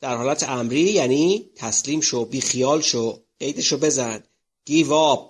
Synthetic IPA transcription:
d̪̥æɾhɒːlæt̪ʰeæmɾiːjæniːt̪ʰæsliːmʃobiːxijɒːlʃo | e̞jd̪eʃobe̞zænd̪̥ | ɡ̪̥iːvɒːb̥̚

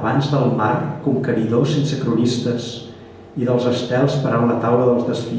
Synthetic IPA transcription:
βanzðəlˠmarkumkəɾiðosensəkɾunist̪əs | iðəlˠzəst̪ɛlˠspəɾawlət̪awləðəlˠzðəsfi

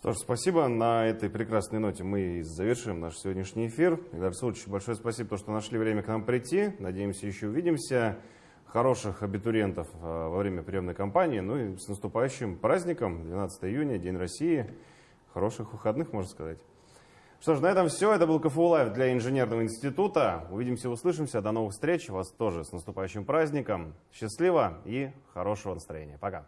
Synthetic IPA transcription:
ʂt̪o̞ʂspɐsʲibənɐɛt̪əjpɾʲɪkɾasnəjno̞tʲɪmɨzːəvʲɪrʂɨjɪmnaʂsʲɪvodʲnʲɪʂnʲɪjɪfʲird̪aslˠuʂt͡ɕːɪbɐlʲʂo̞jəspɐsʲibət̪oʂt̪onɐʂlʲivɾʲemʲəknampɾʲɪtʲːinɐdʲejɪmsʲəjɪɕːoʊvʲidʲɪmsʲə | xɐɾo̞ʂɨxɐbʲɪt̪ʊɾʲe̞nt̪əfvɐvɾʲemʲəpɾʲɪjo̞mnəjkɐmpanʲɪːnuisnəst̪ʊpajʉɕːɪmpɾazʲnʲɪkəmd̪vʲɪnat̪sət̪əjəɪjunʲədʲenʲrɐsʲiɪ | xɐɾo̞ʂɨxvɨxɐd̪nɨxmo̞ʐnəskɐzatʲ | ʂt̪oʂnɐɛt̪əmfsʲoɛt̪əbɨlˠkəfɨʊlˠavʲd̪lʲaɪnʐɨnʲe̞rnəvəɪnʲsʲtʲɪt̪ut̪əʊvʲidʲɪmsʲəʊslˠɨʂ̬ɨmsʲəd̪ɐno̞vɨxfst̪ɾʲet͡ɕʊvast̪o̞ʐɨsnəst̪ʊpajʉɕːɪmpɾazʲnʲɪkəmɕːɪslʲivəixɐɾo̞ʂəvənəst̪ɾɐ̰jenʲɪjəpɐka

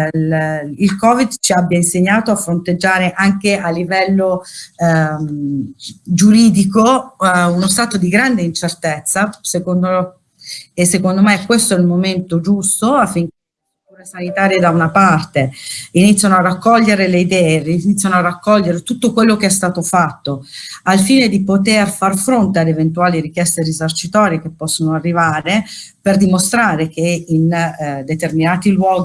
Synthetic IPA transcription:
ilkɔːvid̪t͡ʃiabːjainseɲːaːt̪oafːɾont̪ed͡ʒːaːɾeʔaŋkeʔalːivɛlːo | d͡ʒuɾiːd̪ikounost̪aːt̪od̪iɡɾand̪eint͡ʃert̪et̪sːasekond̪o | esːekond̪omekːwest̪oɛilmoment̪od͡ʒust̪oafːiŋke | st̪uːɾesanit̪aːɾjed̪aunapart̪einit̪sjanoarːakːɔʎːeɾeleid̪ɛːerinit̪sːjanoarːakːɔʎːeɾet̪ut̪ːokwelːokeɛst̪aːt̪ofat̪ːoalfiːned̪ipot̪erfarfɾont̪ead̪event̪uaːliɾikjɛst̪erizart͡ʃit̪ɔːɾjekepːɔsːonoarːivaːɾeperd̪imost̪ɾaːɾek̟eind̪et̪erminaːt̪ilwɔːɡ

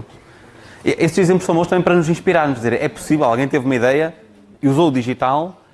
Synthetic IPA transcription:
eʔest̪zizẽplˠusɐ̃moʃt̪ɐmɐ̃j̃pɐɾɐnuzĩʃpiɾaɾmud̪izeɾʔɛpu̥sivɛlˠalˠɣɐ̃j̃t̪evumɐiðɛjɐ | uzowuðiʒit̪alˠ

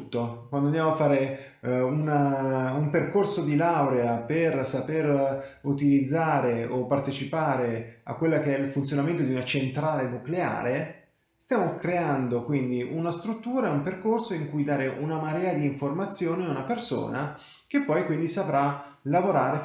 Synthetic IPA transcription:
t̪ːokwand̪oand̪jamoafːaːɾe | unaumperkorsod̪ilawɾeapersaperut̪ilid̪zːaːɾeopːart̪et͡ʃipaːɾea̰kːwelːakeɛilfunt̪sjonament̪od̪iunat͡ʃent̪ɾaːlenuklea̰ːɾe | st̪jaːmokɾeand̪okwind̪iʔunast̪ɾut̪ːuːɾaeumperkorsoiŋkujd̪aːɾeʔunamaɾɛːad̪iːɱformat̪sːjoːniunaperso̰ːna | kepːɔjkwind̪isavɾa | lavoɾaːɾe

